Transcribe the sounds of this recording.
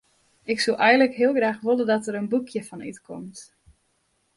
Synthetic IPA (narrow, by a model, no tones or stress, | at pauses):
ɪksulʔɛjən̩ləkɦɪəlˠɣraːxʋolədɔtəɾənbukʰjəfɔny̰tkʰɔ̰mt